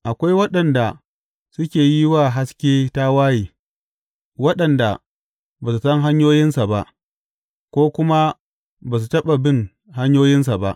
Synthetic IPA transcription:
ʔa˨kʷa˦jwɐ˦ɗɐ˨nda˨ | sʊ˦kʲeː˨ji˦waː˦˨ɦa˦skʲeː˦ta˦waː˦jeː˨ | wɐ˦ɗɐ˨nda˨ | baː˨su˨sɐ˦ŋɦa˦ɲjoː˦jɪ˦nsa˨ba˦ʔ | kʷoː˦kʷʊ˦ma˦ | baː˨s̬u˨tɐ˦ɓa˨bɪ˦ŋ | ɦa˦ɲjoː˦jɪ˦ns̬a˨ba˦ʔ

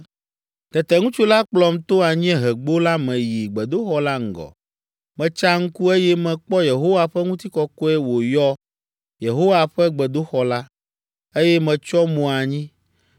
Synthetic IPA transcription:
t̪ɛ˨t̪ɛ˨ŋũ˦t͡ʃu˦la˦k͡plɔ˨mt̪o˦a˨ɲĩ˦ɛ˦ɦɛ˨ɡ͡bo˦la˦mɛ̃˨ji˨ɡ͡bɛ˨d̪o˦xɔ˦la˦ŋ̩˨ɡɔ̰˨ | mɛ̃˨t͡ʃa˦ŋ̩˦ku˦e˦jɛ˦mɛ̃˨k͡pɔ˦je˨ɦo˦wa˨ɸɛ˦ŋũ˦t̪i˦kɔ˦kɔ˦ɛ˦wo˨jɔ˦ | je˨ɦo˦wa˨ɸɛ˦ɡ͡bɛ˨d̪o˦xɔ˨la˦ | e˦jɛ˦mɛ̃˨t͡ʃɔ˦mũ˨a˨ɲĩ˦

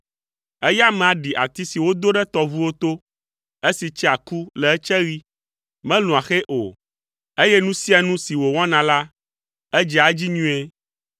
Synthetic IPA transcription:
ɛ˦ja˦mɛ̃˨a˨ɖi˨ʔa̰˨t̪i˦si˨wo˦d̪o˦ɖɛ˦t̪ɔ˦vu˦wo˦t̪o˦ | e˦si˨t͡ʃɛ˦a˨ku˦lɛ˨ɛ˦t͡ʃɛ˦ɣi˦ | mɛ̃˦lũ˨a˨xe˦ʔo˨ | e˦jɛ˦nũ˦si˦a˨nũ˦si˨wo˨w̃ɔ̃˦nã˨la˦ | e˦d͡ʒɛ˨a˨d͡ʑi˦ɲũ˦e˦

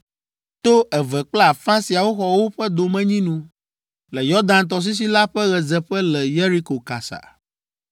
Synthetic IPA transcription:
t̪o˦ʔɛ˨vɛ˨k͡pla˦˨fã˦si˨a˨wo˦xɔ˨wo˦ɸɛ˦d̪o˨mɛ̃˦ɲĩ˦nũ˦ | lɛ˨jɔ˦ɾd̪ã˦nt̪̬ɔ˨s̬i˦s̬i˦la˦ɸɛ˦ɣɛ˨zɛ˨ɸɛ˦lɛ˨je˦ɾi˦ko˨ka̰˨sa̰˨

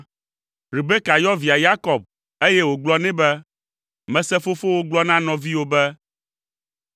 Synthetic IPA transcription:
ɾi˨be˦ka˨jɔ˦vi˨a˨ja˦kɔ˨b̚ | e˦jɛ˦wo˨ɡ͡blɔ˦nɛ̃˦bɛ˦ | mɛ̃˨sɛ˦fo˦fo˦wo˦ɡ͡blɔ˦nã˦nɔ̃˨vi˦wo˦bɛ˦

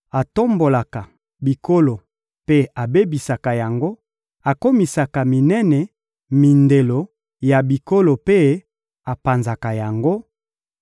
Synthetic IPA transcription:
a˨to˦mbo˨la˨ka˨ | bi˨ko˦lo˨ | pe˦a˨be˦bi˨sa˨ka˨ja˨ŋɡo˦ | a˨ko˦mi˨sa˨ka˨mi˨nɛ˦nɛ˨ | mi˨nde˨lo˨ | ja˨bi˨ko˦lo˨pe˦ | a˨pa˨nza˨ka˨ja˨ŋɡo˦

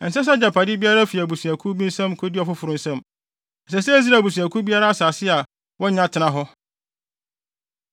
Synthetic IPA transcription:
n̩˨sɛ˦s̬a˦d͡ʑa˨pʰa˨dɪ˦bi˦a˦ɾa˦fi˨æ˨bu˨su˨æ˨kʰu˦bi˦n̩˦sã˦mkʰo˦dɪ˦ɔ˨fʊ˦fʊ˨ɾʊ̃˦n̩˦sã˦m | n̩˨s̬ɛ˨˦s̬ɛ˦e˦s̬i˦ɾa˨bu˨si˨æ˨kʰu˦bi˦a˦ɾa˦saː˨sɪ˦a˨ | wɔ˦ɲã˦tʰɪ˨nã˨ɦɔ˦

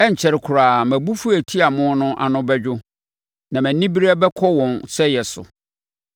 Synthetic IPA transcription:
ɛ˦ɲ̩˨t͡ɕʰɛ˨ɾɪ˦kʰʊ˨ɾaː˨mæ̃˨bu˦fu˦æ˨tʰi˦a˨mʊ̃˦nʊ̃˦ʔa̰˨nʊ̃˦bɛ˦d͡ʑᶣʊ˦ | nã˨mæ̃˨nĩ˦bi˦ɾa˦bɛ˦kʰɔ˦wɔ̃˨nsɛ˦jɛ˨sʊ̰˨

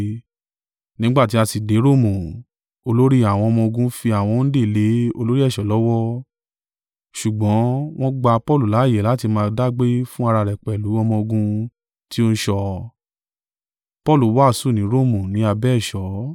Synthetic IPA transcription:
nĩ˦ɡ͡ba˦˨ti˨˦a˧si˨de˨˦ɾo˦˨mũ˨ | o˧lo˦ɾi˦a˨w̃ɔ̃˧ɔ˧mɔ̃˧o˧ɡũ˧˦fi˧a˨w̃ɔ̃˧n̩˦de˦˨le˨˦o˧lo˦ɾi˦ɛ˦˨ʃɔ˨˦lɔ˦wɔ˦ | ʃu˨ɡ͡bɔ̃˨˦w̃ɔ̃˦ɡ͡ba˧pɔ˦˨lu˨la˨˦˨jɛ˨la˨˦ti˧mãː˧da˦ɡ͡be˦fũ˦a˧ɾa˧ɾɛ˨k͡pɛ˨lu˨˦ɔ˧mɔ̃˧o˧ɡũ˧ | ti˦o˦n̩˦ʃɔ˧ | pɔ˦˨lu˨˦wa˦˨su˦˨nĩ˨˦ɾo˦˨mũ˨nĩ˨˦a˧bɛ˦ɛ˦˨ʃɔ˨˦

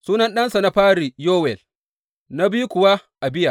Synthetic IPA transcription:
suː˦nɐ˦nɗɐ˦nsa˨na˦ɸaː˦ɾi˨joː˦wɛ˨l | na˦biː˦kʷʊ˨wa˦ʔa˨bɪ˦ja˨

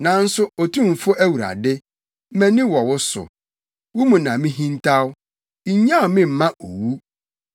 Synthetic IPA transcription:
nã˨n̩˦sʊ˦o˨tʰũ˦˨m̩˨fʊ˦ʔæ˦wu˨ɾa̰˨dɪ˦ | mɛ̃˦nɪ̃˦wɔ˨wʊ˦sʊ̰˨ | wʊ˦mũ˨nã˨mɪ̃˦ɦĩ˦ntʰa˦w | i˨˦ɲã˦ʊ˨mɪ̃˦m̩˨mã˦ʔo̰˨wu˦

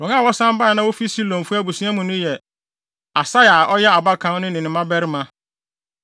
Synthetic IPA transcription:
ɾɔ̃˨ŋã˦˨wɔ˦sã˦m˦ba˦˨nã˦wo˦fi˦si˦lɔ̃˨m˨fu˦a˦bu˨su˦a˦mũ˨nʊ̃˦jɛ˨ | a˨sa˦ja˨ʔɔ˦jɛ˦a˨ba˦kʰã˨˦nʊ̃˦nɪ̃˨nɪ̃˨mã˦bɛ˦ɾɪ˦mã˦

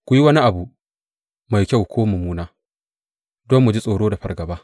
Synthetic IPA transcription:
kʷʊ˦ji˦wɐ˦ni˦ʔa˨bu˨ | ma˨jkʲa˦˨wkʷoː˦mʊ˨muː˦naː˦ | dɔ˦mːu˨d͡ʒi˦sʼoː˨ɽoː˦da˨ɸɐ̰˨rɡɐ˨baː˦

